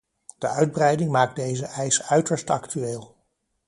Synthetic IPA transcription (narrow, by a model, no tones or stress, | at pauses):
d̥əʔœɥd̚brɛjdɪŋmaːk̚dejzəʔɛjsœɥtəɹstɑ̰ktyeːlˠ